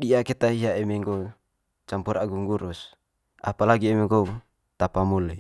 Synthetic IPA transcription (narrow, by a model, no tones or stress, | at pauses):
ɗiaket̪aiɦaemeŋɡo | t͡ʃampuɾaɡuŋɡuɾus | ʔa̰palaɡiemeŋɡo | t̪apamule